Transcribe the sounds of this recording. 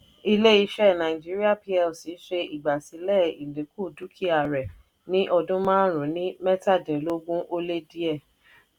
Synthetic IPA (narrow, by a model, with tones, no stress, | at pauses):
i˧le˦i˧˦ʃɛ˦˨nã˨ĩ˨d͡ʒi˦ɾi˦a˦˨pi˧ɛ˧˨si˨˦ʃe˧i˨ɡ͡ba˨si˨˦lɛ˦˨i˨lẽ˨˦ku˦˨du˨˦kʰi˦a˨ɾɛ˨ | nĩ˦ʔɔ˧dũ˦mãː˦ɾ̃ũ˨˦nĩ˦mɛ˦ta˦˨dĩ˨˦lo˦ɡũ˦ʔo˦le˦di˦ɛ˦˨